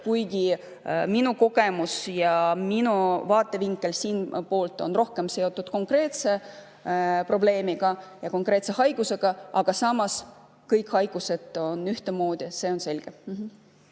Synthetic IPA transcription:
kujɡ̥i | minuko̞ɡ̥e̞musjɑminuvɑːt̪ːˑe̞viŋkˑːe̞lsiːnpo̞ːlt̪ːˑo̞̰nro̞hke̞mse̞o̞t̪ːˑud̪ko̞ŋkre̞ːt̪se̞ | pro̞b̥le̞ːmiɡ̥ɑjɑko̞ŋkre̞ːt̪se̞hɑjɡ̥use̞ɡ̥ɑʔɑɡ̥ɑsɑmːɑs | kɤjkhɑjɡ̥use̞d̪̥o̞nyht̪emo̞ːd̪̥ʲise̞ːo̞nse̞lʲɡ̥em̩ɦ̩

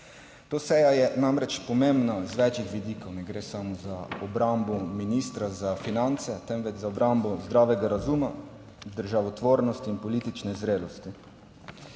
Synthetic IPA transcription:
t̪oːsɛjajɛnamɾɛt͡ʃpɔmembnazʋɛːt͡ʃit̪ʋid̪iːkɔwnɛɡɾeːsaːmɔzaɔbɾambɔminist̪ɾazafinant̪sɛt̪ɛmʋɛt͡ʃzaɔbɾambɔzd̪ɾaːʋɛɡaɾazuma | zd̪əɾʒaʋɔt̪ʋoːɾnɔst̪iːnpɔliːt̪it͡ʃnɛzɾeːlɔst̪i

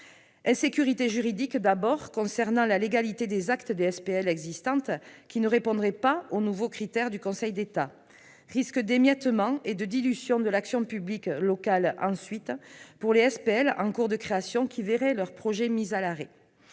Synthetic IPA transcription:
ɛ̃sekyʁit̪eʒyʁid̪ikd̪abɔʁkɔ̃sɛʁnɑ̃laleɡalit̪ed̪ezakt̪əd̪eɛspeɛlɛɡzist̪ɑ̃t̪kʲinəʁepɔ̃d̪ʁɛpaonuvokχit̪ɛʁd̪ykɔ̃sɛjd̪et̪a | ʁiskəd̪emjɛt̪mɑ̃ed̪əd̪ilyzjɔ̃d̪əlaksjɔ̃pybliklɔkalɑ̰̃sɥit̪puʁleɛspeɛlɑ̰̃kuʁd̪əkχeasjɔ̃kʲʰiveʁɛlœʁpχɔʒɛmizalaʁe

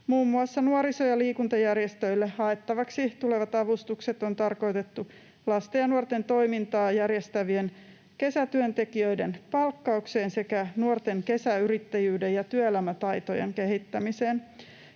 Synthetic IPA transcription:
muːmːuɑsːɑnuoɾisojɑliːkunt̪ɑjærjest̪øilːehɑet̪ːɑʋɑksit̪uleʋɑt̪ɑʋust̪ukset̪ont̪ɑrko̞jt̪et̪ːu | lɑst̪ejɑnuort̪ent̪o̞imint̪ɑːjærjest̪æʋien | ke̞sæt̪yønt̪ekiøidenpɑlkːɑukse̞ːnse̞kænuort̪eŋke̞sæyɾit̪ːæjyːdejɑt̪yøelæmæt̪ɑjt̪ojeŋke̞ɦit̪ːæmiseːn

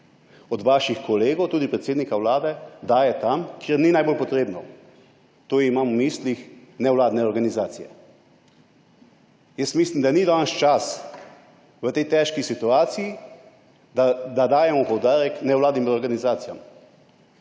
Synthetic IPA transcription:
ɔd̪ʋaʃixkɔleːɡowt̪uːd̪ipɾɛt̪seːd̪nikawlaːd̪ɛd̪aːjɛt̪amkjeɾninajbolpɔt̪ɾeːbnɔ | t̪oːimaːmumiːslixnɛwlaːd̪nɛɔɾɡanizaːt̪sijɛ̰ | jəst̪miːslimd̪anid̪anʃt͡ʃas | ʋət̪ɛjt̪ɛʃkisit̪uaːt̪siji | d̪ad̪ad̪aːjɛmɔpɔwd̪aːɾɛknɛwlaːd̪nimɔɾɡanizaːt̪sijam

